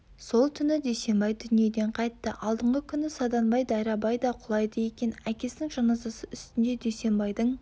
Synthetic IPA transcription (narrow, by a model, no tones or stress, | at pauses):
so̞lˠt̪ʰʏnɪd̪ejse̞mbɑjd̪ʏnije̞d̪e̞ɴqʰɑjt̪ːəʔɑlˠd̪əɴʁəkʲʰʏnɪsɑd̪ɑnbɑjd̪ɑjɾɑbɑjd̪ɑqʰʊlˠɑjd̪əje̞kʲe̞nækʲe̞sɪnɪŋʒɑnɑzɑsəʏst̪ɪnd̪e̞d̪ejse̞mbɑjd̪əɴ